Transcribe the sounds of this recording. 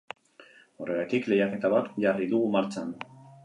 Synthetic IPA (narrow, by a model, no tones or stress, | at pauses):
o̞re̞ɣat̪ikle̞jake̞t̪aβat̪ʝariðuɣumaɾt͡ʃan